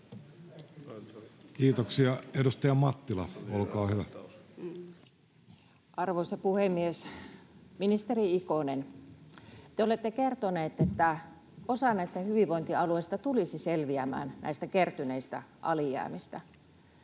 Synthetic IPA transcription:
kiːt̪oksiɑedust̪ɑjɑmɑt̪ːilɑolkɑːhyʋæ | ʔɑrʋoisɑpuhemːies | minist̪eriikonen | t̪eolet̪ːekert̪oneːt̪et̪ːæ | osɑnæist̪æhyʋiʋoĭnt̪iɑlueist̪ɑt̪ulisiselʋiæmæ̰ːnnæ̰ist̪ækert̪yneist̪æʔɑ̰lijæ̰ːmist̪æ

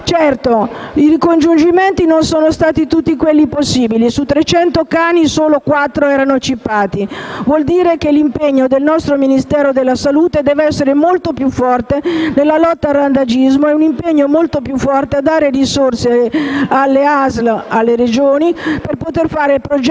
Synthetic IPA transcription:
t͡ʃɛrt̪o | irikond͡ʒund͡ʒiment̪inonsoːnost̪aːt̪it̪ut̪ːikwelːiposːiːbilisut̪ːɾet͡ʃɛnt̪okaːnisoːlokwat̪ːɾoɛːɾanot͡ʃːipːaːt̪ivwɔld̪iːɾekelːimpeɲːod̪elnɔst̪ɾominist̪ɛːɾod̪elːasaluːt̪ed̪ɛːveɛsːeɾemolt̪opjufːɔrt̪enelːalɔt̪ːaːrːand̪ad͡ʒizmoɛunimpeɲːomolt̪opjufːɔrt̪ead̪ːaːɾerisorsealːeazlalːeɾed͡ʒoːniperpot̪erfaːɾeilpɾod͡ʒ

